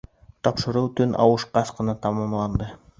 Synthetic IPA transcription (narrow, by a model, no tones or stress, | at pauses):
t̪ɑpʃɤ̆ɾuwt̪ɵnʔɑ̰wɤʃqɑsqɤ̆nɑt̪ɑmɑmlˠɑnd̪ɤ